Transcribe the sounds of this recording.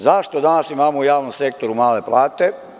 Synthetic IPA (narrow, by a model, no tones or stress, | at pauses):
zaʃt̪od̪anasimaːmoujaːʋnomse̞k̚t̪o̞ɾumaːle̞plaːt̪e